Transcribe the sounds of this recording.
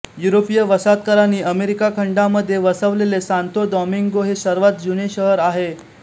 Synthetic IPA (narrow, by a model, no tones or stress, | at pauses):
juɾopijəʋəsat̪̚kəɾaniːʔəmeɾikakʰəɳɖaməd̪ʱːjeʋəsəʋlelesant̪od̪ɔmiŋɡoɦesəɾʋat̪̚d͡ʑuneɕəɦəɾaɦe